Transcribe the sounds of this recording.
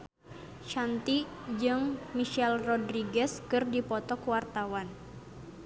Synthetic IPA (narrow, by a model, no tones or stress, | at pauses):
t͡ʃant̪id͡ʒɨŋmiʃɛlrɔdɾiɡɛskɨrdipɔt̪ɔkuwart̪awan